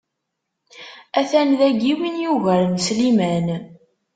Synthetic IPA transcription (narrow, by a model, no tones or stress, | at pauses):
æθænðæɡiwinjuʝæɾmslimæn